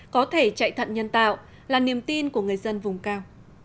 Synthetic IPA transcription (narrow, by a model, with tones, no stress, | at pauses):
kɔ˨˦t̪ʰe˧˩t͡ɕa̰ː˧˨jt̪ʰə̰˧˨nɲə˧nt̪a̰ː˧˨wʔ | laː˨˩ni˨˩əmt̪i˧nku˧˩əŋɨ˨˩əjzə˧nvʊ˨˩ŋ͡mkaː˧w